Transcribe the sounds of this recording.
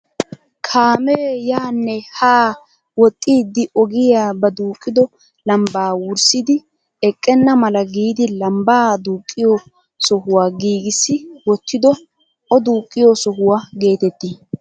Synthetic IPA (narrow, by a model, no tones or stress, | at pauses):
kʰaːmeːjaːnːɛhaː | wɔt̪ʼːiːd̪ːɪʔɔɡɪjaːbɐd̪uːkʼːɪd̪ɔ | lɐmbaːwʊɾsɪd̪ɪ | ɛkʼːɛnːɐmɐlɐɡiːd̪ɪlɐmbaːd̪uːkʼːɪjɔ | sɔhʊwaːɡiːɡɪsːɪwɔt̪ːɪd̪ɔ | ɔd̪uːkʼːɪjɔsɔɦʊwaːɡe̞ːt̪ɛt̪ːi